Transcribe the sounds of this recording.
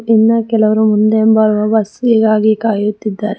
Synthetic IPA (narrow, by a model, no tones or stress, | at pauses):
inːɐkɛlɐʋɐɾumund̪embɐɾuʋɐbɐsiːɡaːɡikaːjut̪ːid̪ːaːɾe